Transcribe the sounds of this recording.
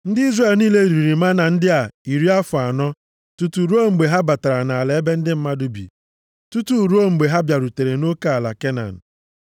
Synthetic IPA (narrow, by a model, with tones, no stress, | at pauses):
n̩˦dɪ˦i˦zre˨lniː˦le˦˨ɾi˨ɾi˨ma˦na˨n̩˦dɪ˦a˨i˨ɾi˦a˦fʊ˨a˨nɔ˦ | tu˦tu˨ɾu˦o˦ŋ͡m̩˨ɡ͡be˨ɦa˦ba˨ta˨ɾa˨na˨a˨le˨e˦be˦n̩˦dɪ˦m̩˦ma˦dʊ˨bḭ˨ | tu˦tu˦˨ɾu˦o˦ŋ͡m̩˨ɡ͡be˨ɦa˦bja˨ɾu˨te˨ɾe˨no˦ka˦a˨la̰˨ke˦na̰˨n̩˨